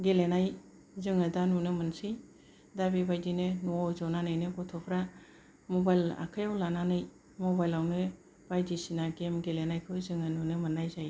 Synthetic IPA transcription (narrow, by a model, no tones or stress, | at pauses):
ɡelenaj | zɯŋɯdanunɯmɯnsɯj | dabibajdinɯnuɔwzɔnanɯjnɯɡɔtʰɔpʰɾa | mɔbajla̰kʰɯjawlananɯj | mɔbajlawnɯ | b̥ajdisinaɡemɡelenajkʰɯwzɯŋanunɯmɯnːajzaj